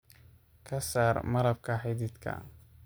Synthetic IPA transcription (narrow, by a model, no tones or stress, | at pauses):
kʰɐsaːrmɐɾɐb̚kʰɐħɪðid̪kʰɐ̰